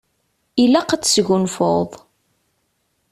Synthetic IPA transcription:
ilæqat͡sːsʝunfoðˤ

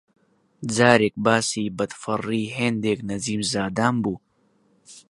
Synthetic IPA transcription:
zaːɾek̚baːsiːbɐt̪fɐrːiːɦeːnd̪eːknɐziːmzaːd̪aːmbuː

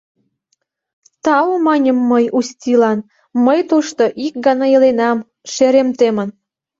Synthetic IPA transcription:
t̪ɑwomɑnʲəmːəjust̪ʲilɑn | məjt̪uʃt̪oʔik̚ɡɑnɑjəlenɑm | ʃeɾemt̪emən

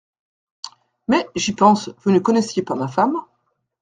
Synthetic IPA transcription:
mɛʒipɑ̃svunəkɔnɛsjepaʁmafam

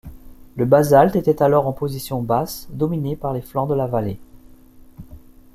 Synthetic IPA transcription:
ləbazalt̪et̪ɛt̪alɔʁɑ̃pozisjɔ̃basd̪ɔminepaʁleflɑ̃d̪əlavale

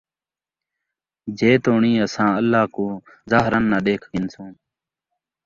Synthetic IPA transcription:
d͡ʒeːt̪oːɳiːəsãːəlːaːkoː | zaːɦɾənːaːɗeːkʰkɪnsũː

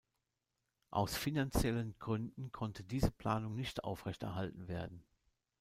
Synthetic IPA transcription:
ʔa̰ʊsfinant͡sjɛlənɡʁʏndn̩kʰɔntʰədiːzəpl̥aːnʊŋnɪçtʔa̰ʊfʁ̥ɛçtɛ̰ɐɦaltn̩veːɐdn̩

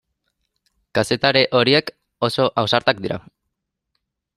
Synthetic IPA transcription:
kase̞t̪aɾe̞ʔo̞ɾiek | o̞so̞ʔawsaɾt̪ak̚d̪iɾa̰

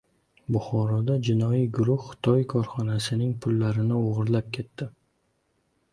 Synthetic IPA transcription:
bʊχɒɾɒd̪ad͡ʒɪnɒjijɡʊɾʊhːʊ̥t̪ʰɒjkʰɒɾχɒnasɪnɪŋpʰʊlːaɾɪnɪoʁɨɾlap̚kʲʰe̞t̪ːɪ

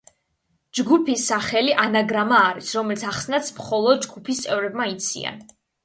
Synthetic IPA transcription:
d͡ʒɡupʰisːaχɛliʔanaɡɾamaːɾisɾɔmɛlit̪sʰaχsnat̪sʰmχɔlˠɔd̪̚d͡ʒɡupʰist̪sʼɛvɾɛbmait̪sʰḭa̰n

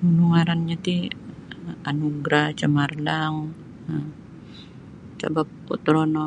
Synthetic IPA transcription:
munuŋaɾanɲat̪i | anuɡɾat͡ʃəmarlaŋ | ə | t͡ʃa̰bap̚ː | o̰t̪ɾonɔ

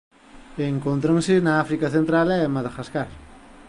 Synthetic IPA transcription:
eŋkont̪ɾaŋsɪnaafɾikaθent̪ɾalɛmaðaxaskaɾ

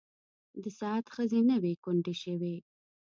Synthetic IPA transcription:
d̪əsɑat̪xəzenəwekʊɳɖeʃəwe

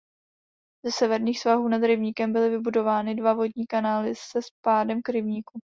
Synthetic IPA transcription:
zɛsɛvɛɾɲiːxsvaɦuːnad̪ɾɪvɲiːkɛmbɪlɪvɪbudo̞vaːnɪdvavo̞dɲiːkanaːlɪssɛspaːdɛmkɾɪvɲiku

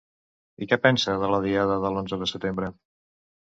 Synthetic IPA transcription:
ikɛpɛnsəðələð̞iaðəðəlonzəðəsət̪embɾə

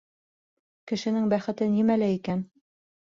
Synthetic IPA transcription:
kɘ̆ʃɘ̆nɘŋbæχɘ̆t̪ɘnimælæikæn

